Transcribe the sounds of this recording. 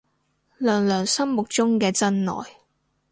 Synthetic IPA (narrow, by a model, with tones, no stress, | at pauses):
lœː˨˩ŋlœː˨˩ŋsɐ˥mmʊ˨k̚t͡sʊ˥ŋkɛː˧t͡sɐ˥nnɔ̰ː˨j